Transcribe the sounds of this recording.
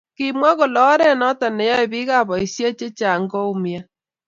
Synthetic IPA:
kɪ˨mwa˦ɣo˨lɔː˨˦ɾɛ˦nɔ˦ta˨nɛ˨jɔ˦e˨βi˦ɣa˦˨βɔ˨i˨sja˦t͡ʃe˦t͡ʃa˨ŋɡɔ˦u˦mja˦

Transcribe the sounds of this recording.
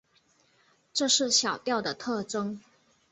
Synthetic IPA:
ʈ͡ʂɤ˥˧ʂɻ̩˥˩ɕjɑ˨˩ʊt̪jɑ˥˩ʊd̪ə˩t̪ʰɤ˥˩ʈ͡ʂɤ˥ŋ

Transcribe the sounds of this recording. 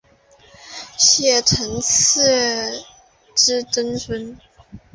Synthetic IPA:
ɕjɛ˥˩ʈ͡ʂʰə˧˥ŋt͡s̩ʰ˥˩ | ʈ͡ʂɻ̩˥ʈ͡ʂə˥nfə˥n

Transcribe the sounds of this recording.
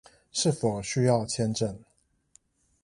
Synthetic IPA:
ʂɻ̩˥˩fo˨˩ʊɕy˥jɑ˥˨ʊt͡ɕʰjɛ˥˧nʈ͡ʂə˥˨n

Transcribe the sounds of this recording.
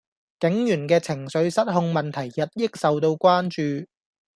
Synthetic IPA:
kɪ˨˥ŋjyː˨˩nkɛː˧t͡sʰɪ˨˩ŋsɵ˨˧ɥsɐ˥t̚ɦʊ˧ŋmɐ˨nt̪ʰɐ˨˩jjɐ˨t̚jɪ˥k̚sɐ˨wt̪o˧wkʷaː˥nt͡ʃyː˨

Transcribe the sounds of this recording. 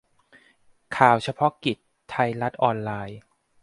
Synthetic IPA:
kʰaː˨˩wt͡ɕʰa˧pʰɔ˦˥ki˨˩t̪ʰːa˧jla˦˥t̪̚ʔɔː˧nlaː˧j

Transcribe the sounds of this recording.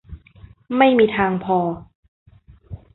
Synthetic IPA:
ma˥˩jmiː˧t̪ʰaː˧ŋpʰɔː˧

